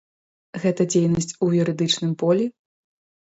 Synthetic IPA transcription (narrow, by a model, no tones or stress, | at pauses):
ɣɛt̪ɐd͡zʲejnɐsʲt͡sʲuvʲuɾɨd̪ɨt͡ʂnɨmpɔlʲɛ